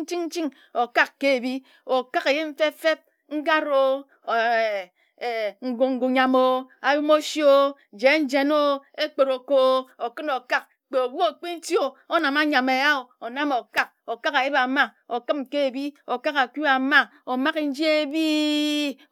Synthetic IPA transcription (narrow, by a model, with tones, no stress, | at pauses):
t͡ʃi˦ŋn̩˦t͡ʃi˦ŋ | o˨ka˦kkːe˦e˨bi˦ | o˨ka˦ke˨je˦ɱ̩˦fe˦fe˦p̚ | ŋ̩˦ɡa˦ɾo˦˨ | ŋ̩˨ɡu˨ŋ̩˨ɡu˨ɲa˨mo˦a˨ju˦mo˦sjo˦ | d͡ʒe˨˦n̩˦d͡ʒe˨no˦e˦k͡pe˨ɾo˨ko˦o˨kɨ˦no˨ka˦k̚ | k͡pe˨o˨bu˦o˨k͡pi˦n̩˦to˨o˦na˨ma˦ɲa˨me˨a˦o˨o˨na˦mo˨ka˦k̚o˨ka˦ka˨ji˦ba˨ma˦ | o˨kɨ˦mke˦e˨bi˦o˨ka˦ka˨ku˦a˨ma˦o˨ma˦ki˦n̩˦d͡ʒi˦e˦bi˦